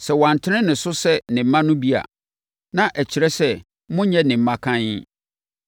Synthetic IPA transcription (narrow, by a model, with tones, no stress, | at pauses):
sɛ˨wã˨n˨tʰɪ˦nɪ̃˦nɪ̃˨sʊ˦sɛ˦nɪ̃˨m̩˦mã˦nʊ̃˦bi˦a̰˨ | nã˨ʔæ˨t͡ɕʰɪ˨ɾɛ˦sɛ˦ | mʊ̃˦ɲɛ̃˦nɪ̃˨m̩˨mːã˦kʰã˦ɲɪ˦